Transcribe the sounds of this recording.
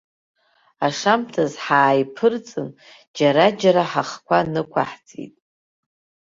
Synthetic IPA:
aʂamtʰazħaːjpʰɨrt͡sʼɨn | d͡ʒaɾad͡ʒaɾaħaχkʷʰanɨkʷʰa̰ħt͡sʼḭtʼ

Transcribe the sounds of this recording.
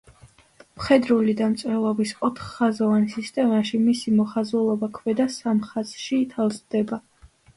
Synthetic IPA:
mχɛd̪ɾulid̪amt̪sʼɾɛlˠɔbisɔt̪ʰχːazɔvansist̪ʼɛmaʃimisimɔχazɛlˠɔbakʰvɛd̪asamχaz̥ʃiːt̪ʰalˠzd̪ɛba

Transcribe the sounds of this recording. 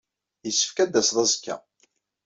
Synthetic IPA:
jəsːə̥fkæd̪ːæsðˤɑzəkːæ̰

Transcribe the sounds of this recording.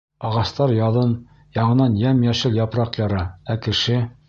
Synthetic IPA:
ɑʁɑst̪ɑɾjɑðɤn | jɑɴɤ̆nɑnjæmjæʃɘljɑpɾɑqjɑɾɑækɘ̆ʃɘ

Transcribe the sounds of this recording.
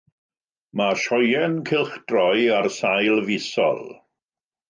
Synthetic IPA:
maʃɔjɛnkʰɪlˠχd̥rɔjarsajlˠvɪsɔ̰lˠ

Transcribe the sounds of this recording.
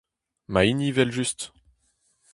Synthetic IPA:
mainivɛlʒyst̪

